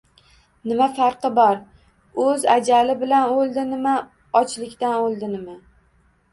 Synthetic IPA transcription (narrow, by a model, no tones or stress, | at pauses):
nɪmafɑɾqʰɨbɒɾ | ɵzad͡ʒalɪbɪlanolˠd̪ɪnɪma | ɒt͡ʃlɪkʲt̪anolˠd̪ɪnɪma